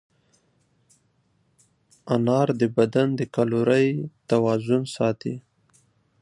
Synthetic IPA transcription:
anɑɾd̪əbad̪and̪əkaluɾəjt̪awɑzʊnsɑt̪ḭ

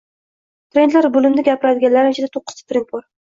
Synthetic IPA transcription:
t̪ʰɾe̞nd̪laɾbʊlɪmnɪɡʲapɪɾad̪ɪɡʲanlaɾɪmt͡ʃʰad̪at̪ʰoqʰːɨ̥st̪ʰḁt̪ɾen̚pʰoɾ

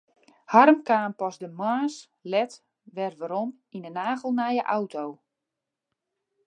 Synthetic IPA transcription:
harmkaːmpɔsdəmaːs | lɛt | ʋɛrʋaɾɔm | inənaːɣəl̩ˠnajəʔawtʰow

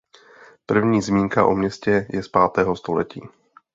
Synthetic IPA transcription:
pr̩vɲiːzmiːŋkaʔo̞̰mɲɛscɛjɛspaːt̪ɛːɦo̞st̪o̞lɛ̰cḭː

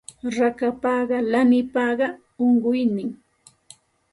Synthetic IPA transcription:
ɾakapɑɢɑlanɪpɑɢɑ | oɴɢʊjnɪŋ

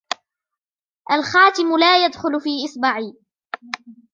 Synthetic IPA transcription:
ʔalxaːt̪ɪmʊlaːjad̪xʊlfiːʔɪsˤbaʕiː

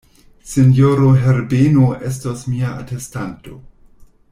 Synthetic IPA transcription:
senjoɾoɦeɾbenoʔe̞s̬tosmiaatestanto̞̰

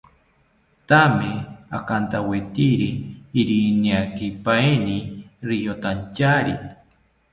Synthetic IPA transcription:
t̪amea̰kant̪awet̪iɾiːɾiniakipaeniɾijot̪ant͡ʃaɾḭ

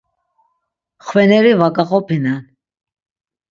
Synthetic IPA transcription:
χwɛnɛɾivakʼaχɔpʰinan

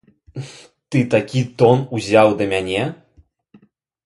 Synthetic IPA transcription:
t̪ɨt̪akʲit̪ɔnuzʲawd̪ɐmʲanʲɛ

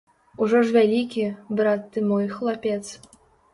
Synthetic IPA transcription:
uʐɔʐvʲalʲikʲibɾat̪ːɨmɔjxlˠapʲɛt̪s

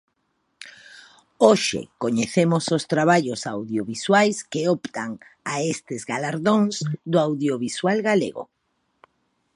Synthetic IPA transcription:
oʃḛkoɲeθemʊsost̪ɾaβaʎosawðjoβiswajskeɔpt̪aŋ | aest̪ɪzɣalaɾðoŋzd̪ʊawðjoβiswalɣalḛɣo̰

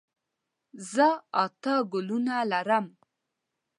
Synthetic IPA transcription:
zəɑt̪ɑɡʊlunalaɾəm

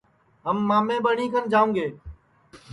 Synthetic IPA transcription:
ɦəmːaːmẽːɓəɳiːkʰənd͡ʒaːũːŋɡeː

